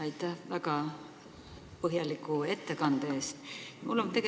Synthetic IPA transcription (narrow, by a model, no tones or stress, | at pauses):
ɑjt̪ːˑæhvæɡɑ | pɤɦjɑlikːˑue̞t̪ːekɑnd̪̥ee̞ːst̪mulːo̞nt̪e̞ɡ̥